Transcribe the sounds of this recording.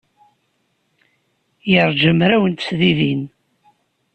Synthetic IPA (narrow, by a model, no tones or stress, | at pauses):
jəɾˤd͡ʒəmɾæwənt̪sðiðin